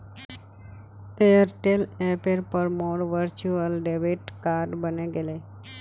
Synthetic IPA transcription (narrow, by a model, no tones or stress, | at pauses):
eəɾʈelepeɾpəɾmoːɽʋəɾt͡ʃuəlɖeʋiʈkaːɾɖbəneɡele